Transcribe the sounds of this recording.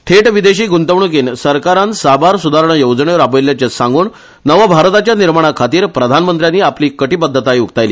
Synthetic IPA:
ʈʰeʈʋid̪eɕiːɡʱunt̪əʋɳuk̬iːnsəɾkaɾansabaɾsud̪ʱaɾəɳəjowd͡zɳeʋəɾabəjljat͡ɕesãŋɡuːɳ | nəʋabʱaɾt̪at͡ɕjaniɾmaɽ̃akʰat̪iːɾpɾəd̪ʱanmənt̪ɾjanːiːapliːkəʈiːpəd̪ʱːət̪aiuk̚t̪ajliː

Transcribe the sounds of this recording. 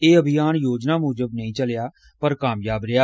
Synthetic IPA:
eːəbʱɪjaːnjoːd͡ʒnaːmʊːd͡ʒəbnəĩːt͡ʃəljaː | pəɾkaːmjaːbɾɪjaː

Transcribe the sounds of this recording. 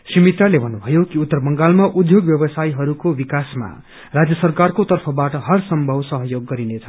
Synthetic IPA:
srimit̪alebʱʌnubʱʌjokiut̪ːʌrbʌŋɡalmaʔud̪joɡbjʌbʌsajɦʌɾukobikasma̰ | rad͡zjʌsʌrkarkot̪ʌrpʰʌbaʈʌɦʌrsʌmbʱʌwsʌɦʌjoɡːʌɾinet͡sʰʌ

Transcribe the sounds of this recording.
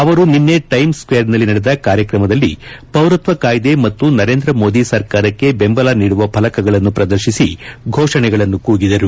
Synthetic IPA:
ɐʋɐɾuninːeʈɐjmskʋejɐɾnɐlːinɐɽɛd̪ɐkaːɾjɐkɾɐmɐd̪ɐlːḭpɐwɾut̪ʋɐkaːjd̪e̞mɐt̪ːunɐɾe̞ːnd̪ɾɐmo̞ːd̪isɐɾkaːɾɐkːe̞bembɐlaniːɽuʋɐpʰɐlɐkɐɡɐɭɐnːupɾɐd̪ɐɾʃisiɡʱoːʂɐɳɛɡɐɭɐnːukuːɡid̪ɐɾu

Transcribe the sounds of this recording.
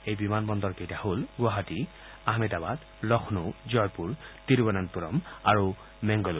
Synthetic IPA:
ejbimanbɔndɔɹkejtaholɡwaɦati | aɦmɛdabad | ɹɔxʰnuzɔjpuɹtiɹbɔnantuɹɔ̰maɹu | mɛŋɡɔlu

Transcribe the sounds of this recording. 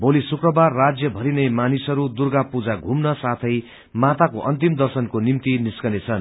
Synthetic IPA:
bolisukrʌbarːad͡zjʌbʱʌɾinʌjmanisʌɾud̪urɡapud͡zaɡʱumnʌsat̪ʰʌj | mat̪akoʔʌnt̪imd̪ʌrsʌnkonimt̪iniskʌnet͡sʰʌn

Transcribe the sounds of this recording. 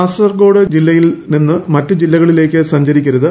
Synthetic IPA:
aːsɐrɡo̞ːɽɨd͡ʑilːɐjilninːɨmɐtːɨd͡ʑilːɐɣɐɭile̞ːkʲːɨsɐɲd͡ʑɐɾikʲːɐɾɐðɨ

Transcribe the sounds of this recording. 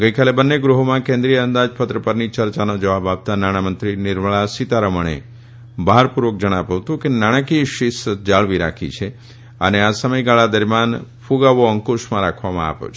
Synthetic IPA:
ɡəikalebənːeɡɾuɦomãkẽnd̪ɾijəənd̪ad͡ʒpət̪ɾəpəɾnit͡ʃəɾt͡ʃanod͡ʒəʋabap̚t̪anaɽ̃amənt̪ɾinɪɾməɭasit̪aɾəməɳ̃ḛ | baɦaɾpuɾʋək̚d͡ʒəɽ̃apəʋt̪ũkenaɽ̃əkiʃɪsəd͡ʒaɭʋiɾa̰kʰḭt͡ʃʰe | ə̰neasəməjɡaɭad̪əɾmjanfʰuɡaʋoəŋkoʃmãɾakʰʋamã̰a̰po̰t͡ʃʰ

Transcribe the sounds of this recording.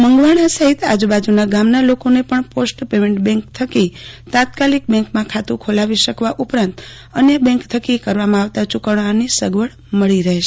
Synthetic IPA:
məŋɡʋaɽ̃asəɦit̪a̰d͡ʒubad͡ʒunaɡamnalokonepəɳposʈpemẽɳʈbɛ̃ŋkt̪ʰəkit̪ãt̪kalik̚bɛ̃ŋkmãkʰat̪ũkʰolaʋiʃəkʋaʔupɾãnt̪ | ənjəbɛ̃ŋkt̪ʰəkikəɾʋamãaʋt̪at͡ʃukəɳanisəɡʋəɭ | məɭiɾəɦeʃe

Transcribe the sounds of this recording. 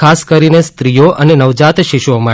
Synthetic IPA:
kʰaskəɾinest̪ɾijoʔʔənenəʋd͡ʒat̪ʃiʃomə

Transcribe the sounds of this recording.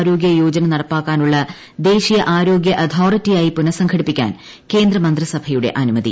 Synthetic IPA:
ɾo̞ːɡjɐjoːd͡ʑɐnɐnɐɽɐpːaːkːaːnuɭːɐ | d̪e̞ːɕijɐʔaːɾo̞ːɡjɐʔɐt̪ʰoːritːijaːjipunɐsɐŋkʰɐɽipːikʲːa̰ːn | ke̞ːnd̪rɐmɐnd̪rɐsɐbʱɐjuɽe̞̰ʔɐnumɐðḭ

